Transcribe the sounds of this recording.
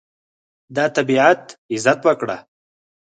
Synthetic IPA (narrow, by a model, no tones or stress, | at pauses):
d̪ɑt̪abiʕat̪ɪzat̪wəkɽa̰